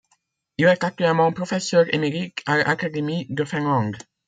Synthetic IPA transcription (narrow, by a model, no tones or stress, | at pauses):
ilɛt̪ak̚t̪ɥɛlmɑ̃pχɔfɛsœʁḛmeʁikʰalʔa̰kad̪emid̪əfɛ̃nlɑ̃ŋɡ